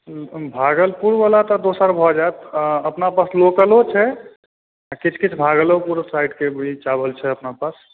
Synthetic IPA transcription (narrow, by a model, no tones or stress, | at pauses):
bʱaɡəlpuɾbalat̪ɔd̪osəɾbʱɔd͡ʒaet̪əpnapaslokəlot͡ʃʰɛ | akit͡ʃʰkit͡ʃʰbʱaɡəlopuɾsajɖkebʱit͡ʃabəlt͡ʃʰɛəpnapas